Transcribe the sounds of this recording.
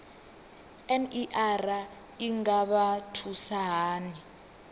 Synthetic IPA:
ɛniʔara | iŋaɓatʰusaɦaːni

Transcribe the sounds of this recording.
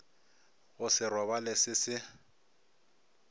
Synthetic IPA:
ʊsɪrɔβalɪsɪsɪ

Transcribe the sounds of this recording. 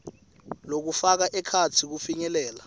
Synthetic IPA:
lok̬ufak̬aʔɛkʰat͡sʰik̬ufiɲɛlɛːla

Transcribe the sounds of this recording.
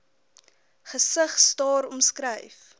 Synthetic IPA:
χəsəχstɑːɾɔmskrəjf

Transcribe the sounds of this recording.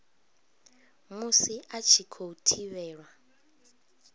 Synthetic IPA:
musiʔat͡ʃʰikʰoutʰiβɛːɺwa

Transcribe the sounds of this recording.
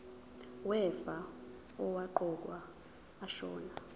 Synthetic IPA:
wɛfa | ɔwaǃɔk̬ʼwaː | ʃɔ̰ːna

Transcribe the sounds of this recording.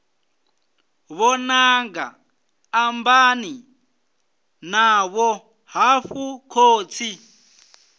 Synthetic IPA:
βɔnaŋɡa̰ː | mbani | naβɔ | ɦaɸukʰoːt͡sʰi

